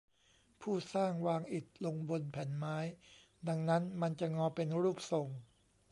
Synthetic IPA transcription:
pʰuː˥˩saː˥˩ŋwaː˧ŋʔi˨˩t̪̚lo˧ŋbo˧npʰɛ˩˦nmaː˦˥j | da˧ŋna˦˥nma˧nt͡ɕa˨˩ŋɔː˧pe˧nɾuː˥˩p̚so˧ŋ

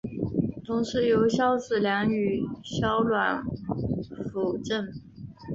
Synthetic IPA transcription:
t̪ʰʊ˧˥ŋʂɻ̩˧˥jo˧˥ʊɕjɑ˥ʊt͡sɹ̩˨˩ljɑ˧˥ŋy˨˩ɕjɑ˥ʊlwa˨˩˦n | fu˨˩ʊʈ͡ʂə˥˩n

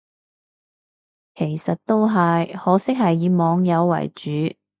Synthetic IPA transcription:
kʰe˨˩jsɐ˨t̚t̪o˥wɦɐ˨jhɔː˨˥sɪ˥k̚hɐ˨jːiː˨˧mɔː˨˧ŋjɐ˨˧wːɐ̰˨˩jt͡ʃyː˨˧˥

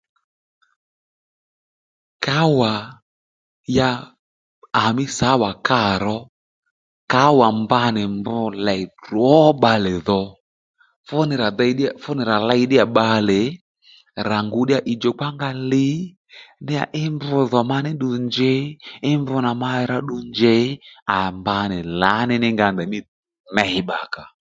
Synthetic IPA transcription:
ka˦wa˨ | jaː˧˨ | mɪ˦sa˨˦wa˨ka˦˨ɾɔ˦ | ka˨˦wa˨mba˦nɪ˨mbʊ˧˦lɛ˨rwɔ˦ɓa˧lɪ˨ðɔ˨ | fʊ˦nɪ˨ɾa˨ða˧˨i˨˦ɗi˦a˨fʊ˦nɪ˨ɾa˨la˦i˦ɗɪ˦a˨ɓa˧le˨˦ | ɾa˨ŋɡu˨˦ɗi˦a˨ʔi˨d͡ʒɔ˨k͡pa˦ŋɡa˧li˨˦ | nɪ˦a̰˨ʔɪ˦mbʊ˧ðɔ˨ma˧nɪ˦ɗu˨nd͡ʒe˨˦ɪ˦mbʊ˧˦na˨ma˧ɾa˧ɗu˧nd͡ʒe˨˦a˨mba˧nɪ˨la˨˦nɪ˦nɪ˦ŋɡa˧˨nd̪ɛ˨mɪ˦ | nɛ˨˦ɪ˨ɓa˨ka˨

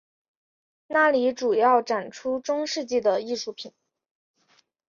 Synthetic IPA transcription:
na˥˩li˧˥ʈ͡ʂu˨˩jɑ˥˩ʊʈ͡ʂa˨˩nʈ͡ʂʰu˥ʈ͡ʂʊ˥ŋʂɻ̩˥˧t͡ɕi˥˩d̪ə˩i˥˧ʂu˥˩pʰi˨˩˦n

